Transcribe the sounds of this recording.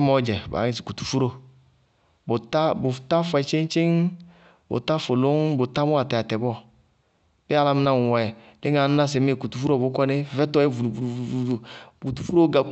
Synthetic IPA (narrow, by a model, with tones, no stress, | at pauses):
mɔ˧˦d͡ʒɛ˨ba̰˨˦ŋi˨s̬i̥˨ku˨tu̥˨fu˦ɾo˦ | bo˨ta˦bo˨ta˦fɛ˧˨t͡ʃe˦n˦t͡ʃe˦ŋ | bo̰˨ta˦fo˨lo˦ŋbo˨ta˦mɔ˦a˨tɛ˨a˨tɛ˨bɔ˦˨ | pi˦a˦la˧mi˧˦na˦˨ɛ˨le˦ŋ˦a˨˦na˦s̬e˨me˦˨ku˨tu˨fu˦ɾo˦˨bo˨˦kɔ˦ne˦˨vɛ˦tɔ˦ɛ˦vu˨ku˨tu˨fu˦o˦ɡa˨